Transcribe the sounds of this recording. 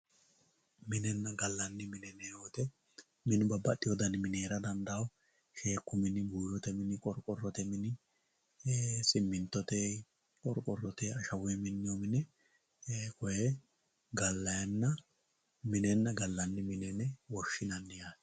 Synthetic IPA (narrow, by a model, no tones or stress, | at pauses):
mɪnɛnːɐɡɐlːɐnːɪmɪnɛneot̪ɛ | mɪnɪbɐbɐɗɪjɔd̪ɐnɪmɪneːɾɐd̪ɐnd̪ɐw | ʃeːkːʊmɪnɪbuːjɔt̪ɛmɪnɪkʼɔɾkʼɔrːɔt̪ɛmɪnɪ | sʼɪmːɪnt̪ːɔt̪e | kʼɔɾkʼɔrːɔt̪ɛɐʃɐwʊjɛmɪnːɪjomɪnɛ | kɔjɛ | ɡɐlːɐjɐnːɐ | mɪnɛnːɐɡɐlːɐnːɪmɪnɛnɛwɔʃːɪnɐnːɪjas